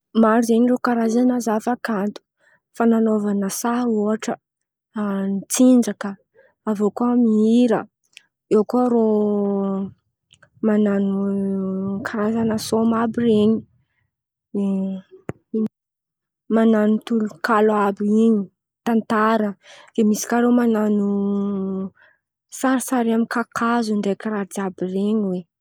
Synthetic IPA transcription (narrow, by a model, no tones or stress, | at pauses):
maɾizeɲiɾokaɾazanazafakant̪u̥ | fananovanəsaoaʈ͡ʂə | nit͡sind͡ʒakə | avokoamiiɾə̰ | ewkoɾo | mananu | kaɾazanasomabireɲi̥ | e | mananut̪ulukalabiiɲi | t̪ant̪aɾəd̪̥emisi̥kʲaɾomananu | saɾisaɾiamikakʰazund̪ekiɾad̪iabireɲiwe